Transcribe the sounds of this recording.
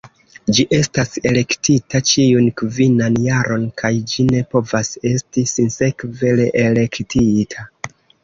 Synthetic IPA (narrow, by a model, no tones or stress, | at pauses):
d͡ʒiʔe̞stase̞le̞ktitat͡ʃiunkvinanjaɾʔo̞nkʰajd͡ʒine̞po̞vase̞stisinse̞kve̞le̞ʔele̞ktitʰa